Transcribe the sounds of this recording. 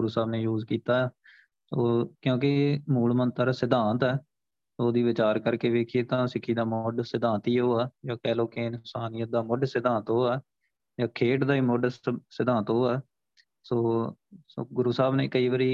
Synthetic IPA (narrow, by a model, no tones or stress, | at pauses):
ɡʊɾuːsaːbneːjuːzkiːt̪aːɛː | soːkjõːk̬ɪmuːɭmənt̪əɾsɪd̪ãːnt̪ɛː | soːd̪iːʋɪt͡ʃaːɾkəɾkeːʋeːkʰieːt̪ãːsɪkʰiːd̪aːmʊɖsɪd̪ãːnt̪iːɦoːaːd͡ʒaːkɛːloːkeːnsaːnɪjəd̪aːmʊɖsɪd̪ãːnt̪ɦoːaː | d͡ʒaːkʰeːʈd̪aːiːmʊɖsɪd̪ãːnt̪ɦoːaː | soːsoːɡʊɾuːsaːbneːkəiːʋəːɾiː